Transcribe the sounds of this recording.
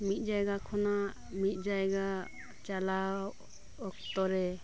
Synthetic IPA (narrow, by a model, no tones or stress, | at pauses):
mit̪̚ˀd͡ʒajɡakʰɔna | mit̪̚ˀd͡ʒajɡa | t͡ʃalaw | ɔk̚t̪ɔɾɛ